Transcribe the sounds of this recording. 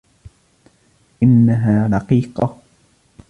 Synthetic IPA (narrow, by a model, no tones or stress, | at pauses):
ʔɪnːaɦaːɾɑqiːqɑ